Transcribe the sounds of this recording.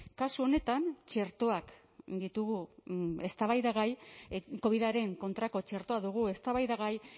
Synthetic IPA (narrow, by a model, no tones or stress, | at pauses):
kasuo̞ne̞t̪ant͡ʃe̞ɾt̪o̞ak | d̪it̪uɣue̞st̪aβajðaɣajko̞β̞iðaɾe̞ŋko̞nt̪ɾako̞t͡ʃe̞ɾt̪o̞aðuɣ̞ue̞st̪aβajðaɣaj